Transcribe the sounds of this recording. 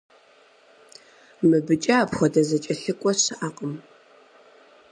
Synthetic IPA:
mɨbɨt͡ʃʼɐapχʷɔdɐzɐt͡ʃʼɐɬɨkʷʼɔɕɨʔaːqʼəm

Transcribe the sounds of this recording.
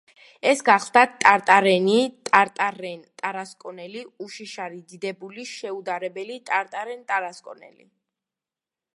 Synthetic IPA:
ɛsɡaχlˠd̪at̪ʼaɾt̪ʼaɾɛnit̪ʼaɾt̪ʼaɾɛnt̪ʼaɾaskʼɔnɛliuʃiʃaɾid̪id̪ɛbuliʃɛud̪aɾɛbɛlit̪ʼaɾt̪ʼaɾɛnt̪ʼaɾaskʼɔnɛ̰lḭ

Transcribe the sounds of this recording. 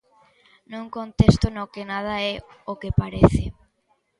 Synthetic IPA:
nũŋkont̪est̪onokenað̞aɛokepaɾeθɪ

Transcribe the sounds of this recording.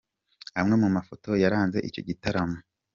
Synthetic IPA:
amŋe̞mumafoto̞jaɾaːnze̞̰ʔico̞̰ɟitaɾamo

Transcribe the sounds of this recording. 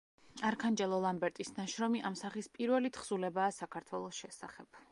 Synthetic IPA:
aɾkʰand͡ʒɛlˠɔlˠambɛɾt̪ʼisnaʃɾɔmiʔamsaχispʼiɾvɛlit̪ʰχz̥ulɛbaːsakʰaɾt̪ʰwɛlˠɔsʃɛsaχɛb̥̚

